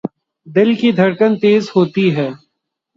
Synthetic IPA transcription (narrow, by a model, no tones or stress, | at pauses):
d̪ɪlkid̪ʱɐɾkənt̪eːzhoːt̪iɦɛː